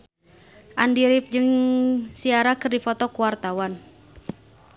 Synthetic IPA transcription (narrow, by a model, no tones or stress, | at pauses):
ʔandiɾip̚d͡ʒɨŋsiaɾakɨrdifɔt̪ɔkuwart̪awan